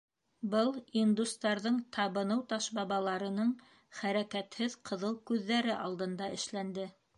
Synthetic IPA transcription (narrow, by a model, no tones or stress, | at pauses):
bɤlˠind̪ust̪ɑɾðɤɴt̪ʰɑβɤ̆nɤwt̪ɑʃbɑβɑlˠɑɾɤ̆nɤɴ | χæɾækæt̪hɘðqʰɤ̆ðɤlˠkʉðːæɾɘʔɑlˠd̪ɤ̆nd̪ɑʔɘ̆ʃlænd̪ɘ